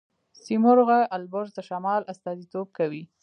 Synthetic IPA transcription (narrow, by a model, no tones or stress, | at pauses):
simʊɾɣaʔalbʊɾd̪əʃamɑlast̪ɑzit̪ob̚kawi